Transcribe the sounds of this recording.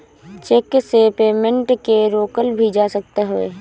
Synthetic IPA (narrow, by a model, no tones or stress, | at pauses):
t͡ʃeksepeːmə̃ɳʈkeɾoːkəlbʱid͡ʒaːsək̚t̪eɦoḛː